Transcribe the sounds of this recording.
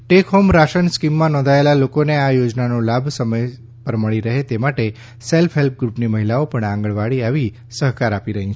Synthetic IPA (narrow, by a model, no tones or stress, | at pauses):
ʈekɦomɾaʃənskimːãnɔ̃nd̪ʱaelalokoneajod͡ʒnanõlabʱsəməj | pəɾməɭiɾəɦet̪emaʈe | selfɦelp̚ɡɾupniməɦilaopəɳãŋɡəɭʋaɭiaʋi | səɦkaɾapiɾəɦĩt͡ʃʰ